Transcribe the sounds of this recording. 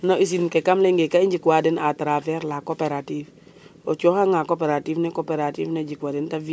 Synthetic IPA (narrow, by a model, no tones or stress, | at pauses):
nɔʔis̬inkɛkamlɛŋɡekaiɲd͡ʒikwadɛnatɾavɛɾlakɔpɛɾativ | ɔt͡ʃɔhaŋakɔpɛɾativnɛkɔpɛɾativnɛd͡ʒikwadɛntavi